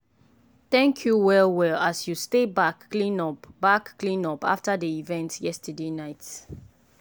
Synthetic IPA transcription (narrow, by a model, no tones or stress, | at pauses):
θɛ̃ŋkʰjuwɛlwɛlasjustebaklĩnɔpb̥akːlĩnɔpa̰ftadəivɛ̃ntjɛstədenaɪt